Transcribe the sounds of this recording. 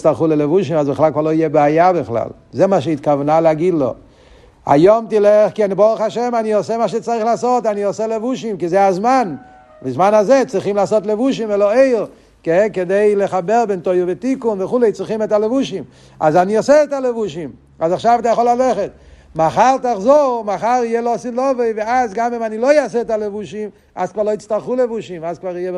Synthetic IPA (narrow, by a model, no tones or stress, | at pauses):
t͡st̪alˠχulelevuʃimazbɪχlalkvaʁloijɛbeajabɪχla̰l | zɛmaʃ̬eit̪kavnaleaɡidlo̰ | a̰jomtilɛχkɛnbɔʁuχaʃɛmaniɔsɛmaʃ̬ɛt͡saʁiχlaːsotaniɔsɛlevuʃimkizɛazman | bɪzmanazɛt͡sʁiχimlaːsotlevuʃ̬imɛloeɪɾ | kɛkedejləχabɛɾbɛntojovetikunvəχulɛɪt͡sɾiχimɛtalevuʃim | a̰zaniɔsɛːtalevuʃim | azaχʃavat̪̬ajaχolalɛχɛt̚ | maχaʁˠtaχzomaχaʁijɛlɔsilɔveɪveazɡamimanilojasɛːtalevuʃim | a̰zkvaʁlˠoit͡stalχulevuʃimazkvaʁijɛb